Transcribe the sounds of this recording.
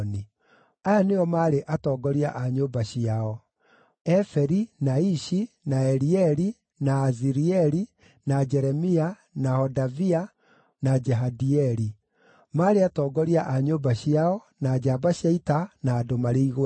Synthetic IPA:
ni | ajaneɔmaːɾeʔatɔːɡɔɾiaʔaɲoːbaɕiaɔ | ɛfɛɾinaiʃi | naɛɾiɛɾi | naːziɾiɛɾi | nad͡ʒɛɾɛmia | nahɔdavia | nad͡ʒɛɦadiɛɾi | maːɾeatɔːɡɔɾiaʔaɲoːbaɕiaɔ | nad͡ʒabaɕaitanaːdomaɾeiɣo

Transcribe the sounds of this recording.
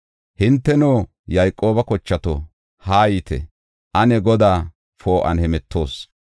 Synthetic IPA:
hɪnt̪ːɛnoː | jɐjkʼːo̞ːbɐkɔt͡ʃːɐt̪o | haːjit̪ɛ̰ | ʔɐnɛɡɔd̪aː | fo̞ːʔɐ̰nhɛmɛt̪ʰːo̞ːs

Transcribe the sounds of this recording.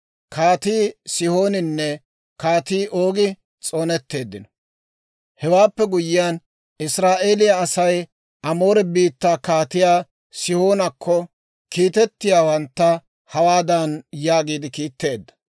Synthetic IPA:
kʰaːt̪iːsɪho̞ːnɪnːɛ | kaːt̪iːʔo̞ːɡɪ | t͡sʼo̞ːnɛt̪ːe̞ːd̪ːɪnɔ | hɛwaːpːɛɡʊjɪjan | ɪsɾaːʔe̞ːlɪjɐːsɐj | ʔɐmo̞ːɾɛbiːt̪ːaːkaːt̪ɪjaː | sɪho̞ːnɐkʰːɔ | kiːt̪ɛt̪ːɪjaːwɐnt̪ːɐ | hɐwaːd̪ɐnjaːɡiːd̪ɪkiːt̪ːe̞ːd̪ːɐ̥

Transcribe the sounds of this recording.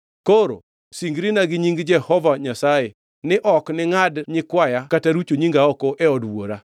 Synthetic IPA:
koɾo̰ | siŋɡɾinaɡɪɲiŋɡd͡ʒɛhɔvaɲasaje | nɪʔɔknɪŋadɲɪkwajakataɾut͡ʃoɲiŋɡaɔkɔʔɛɔdwo̰ɾa

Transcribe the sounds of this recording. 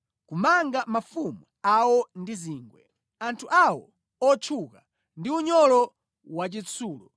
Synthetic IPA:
kumaŋɡamafumu | awɔndiziːŋɡwɛ | antʰuʔawɔ | ɔt͡ʃʰuka | ndiuɲɔlɔ | wat͡ʃit͡sʰuːlɔ

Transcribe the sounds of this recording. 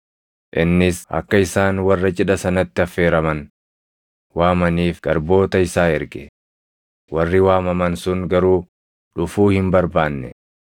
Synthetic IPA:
ʔɪnːɪsɐ̰kːɐɪsaːnwɐrːɐt͡ʃʼɪᶑɐsɐnɐt̪ːɪɐfe̞ːɾɐmɐn | waːmɐniːfɡ̥ɐɾbo̞ːt̪ɐɪsaːɛɾɡɛ | wɐrːɪwaːmɐmɐnsʊŋɡɐɾuː | ᶑʊfuːhɪmbɐɾbaːnːɛ̰

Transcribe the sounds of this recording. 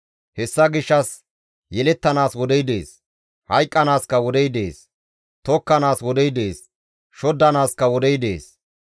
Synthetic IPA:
hɛsːɐɡɪʃːɐs | jɛlɛt̪ːɐnaːswɔd̪ɛjd̪eːs | hɐjkʼːɐnaːskɐwɔd̪ɛjd̪e̞ːs | t̪ɔkːɐnaːswɔd̪ɛjd̪e̞ːs | ʃɔd̪ːɐnaːskːɐwɔd̪ɛjd̪e̞̰ːs

